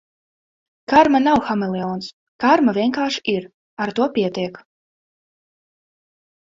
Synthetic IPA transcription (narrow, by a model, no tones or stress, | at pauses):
kaɾmanawxamɛlˠɛɔːns | kaɾmavʲiɛnkaːʃiɾ | aɾt̪uɔpʲiɛt̪iɛk